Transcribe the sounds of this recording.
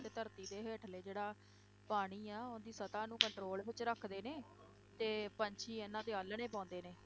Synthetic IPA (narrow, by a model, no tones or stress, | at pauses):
t̪eːt̪əɾt̪iːd̪eːɦeːʈʰleːd͡ʒeːɽaː | paːɽ̃iːaːʊnd̪iːsət̪ãːnũːkəɳʈɾoːlbɪt͡ʃɾəkʰd̪eːneː | t̪eːpəɲt͡ʃʰiːenãːt̪eːəlɳeːpãːnd̪eːneː